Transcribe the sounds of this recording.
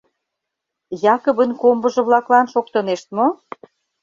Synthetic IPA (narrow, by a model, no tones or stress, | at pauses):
jɑkə̆βə̆nkombə̆ʒɤ̆βlɑklɑnʃok̚t̪ə̆neʃt̪̚mo